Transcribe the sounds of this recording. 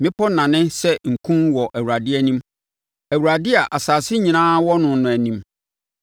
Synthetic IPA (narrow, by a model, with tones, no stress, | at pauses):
mɪ̃˦pɔ˦nã˨nɪ̃˦sɛ˦ŋ̩˨kʰũ˦nwɔ˨ʔæ˨wu˨a˨dɪ˦æ˦˨nĩ˦m | æ˨wu˨ɾa˨dɪ˦a˨ʔa˨saː˨sɪ˦ɲĩ˨nãː˦wɔ˦nʊ̃˨˦nʊ̃˨æ˨nĩ˦m